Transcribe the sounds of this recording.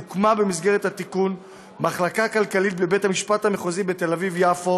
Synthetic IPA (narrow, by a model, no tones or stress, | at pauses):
ukmabemisɡeʁethat̪ikun | maχlakakalkalit̚blebethamiʃpathameχozibete̞lavivjafo